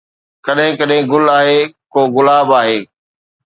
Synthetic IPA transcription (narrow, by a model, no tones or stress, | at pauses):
kɐɗɦɪ̃kɐɗɦɪ̃ɡʊlaːɦeːkoːɣʊlaːbaːɦeː